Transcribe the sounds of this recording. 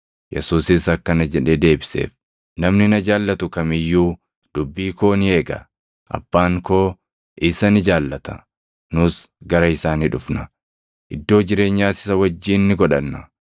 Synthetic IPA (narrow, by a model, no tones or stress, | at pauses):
jʔɛ̰suːsɪsɐkːɐnɐd͡ʒɛᶑed̪e̞ːbɪsḛːf | nɐmnɪnɐd͡ʒaːlːɐt̪ʊkɐmɪjːuː | d̪̥ʊbːiːko̞ːnɪe̞ːɡɐ̰ | ʔɐ̰b̥ːaːŋko̞ː | ʔɪsɐnɪd͡ʒaːlːɐt̪ɐ̥̰ | nʊsɡɐɾɐɪsaːniːᶑʊfnɐ | ʔɪd̪ːo̞ːd͡ʒɪɾe̞ːɲːaːsɪ̥sɐwɐd͡ʒːiːnːɪɡɔᶑɐnːɐ